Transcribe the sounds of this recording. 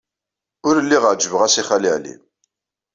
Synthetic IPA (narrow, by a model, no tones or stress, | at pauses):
ʊɾəlːiʁəʕd͡ʒəvəʁæsiχaliʕlḭ